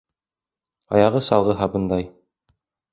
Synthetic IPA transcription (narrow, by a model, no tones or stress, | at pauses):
ɑjɑʁɤsɑlˠʁɤɦɑbɤ̆nd̪ɑj